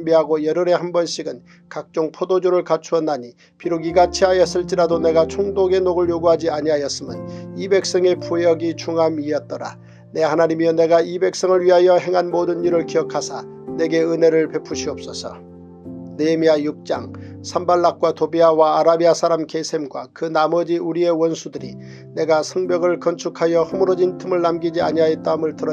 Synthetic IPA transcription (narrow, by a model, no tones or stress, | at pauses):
mbiɦaɡojʌɾɯɾe̞hambʌnɕʰiɡɯn | kak̚t͡ɕ͈oŋpʰodod͡ʑoɾɯɭkat͡ɕʰuʌnːaɲi | piɾuɡiɡat͡ɕʰiɦajʌs͈ɯɭt͡ɕ͈iɾadone̞ɡat͡ɕʰoŋdoɡe̞noɡɯɭjoɡuɦad͡ʑiaɲiɦajʌs͈ɯmɯ̰nibe̞k̚s͈ʌŋe̞puejʌɡit͡ɕʰuŋamiʌt̚t͈ʌɾa̰ | ne̞hanaɲimjʌne̞ɡaibe̞k̚s͈ʌŋɯɭɥiɦajʌɦe̞ŋɦanmodɯnːiɾɯɭkiʌkʰasʰa | ne̞ɡe̞ɯne̞ɾɯɭpe̞pʰuɕʰiʌp̚s͈ʌsʰʌ̰ | nemiajuk̚t͡ɕ͈a̰ŋ | sʰambaɭːak̚k͈watobiawaːɾabiasʰaɾamke̞sʰe̞mɡwakɯnamʌd͡ʑiuɾie̞wʌnsʰudɯɾḭ | ne̞ɡasʰʌŋbjʌɡɯɭkʌnt͡ɕʰukʰajʌhɯmɯɾʌd͡ʑintʰɯmɯɭːamɡid͡ʑiaɲiɦajʌt͈̚aɯmɯɭtɯɾʌ